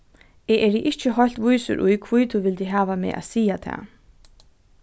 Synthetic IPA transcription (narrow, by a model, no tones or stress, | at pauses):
ɛːʔɛɾiʔɪht͡ʃːɪɦɔjl̥t̪vujsʏ̰ɾʔujkʰvujt̪ʰuːʋɪlt̪iɦaːvamɛ̰ːʔa̰ːðsiːjat̪ʰa̰ː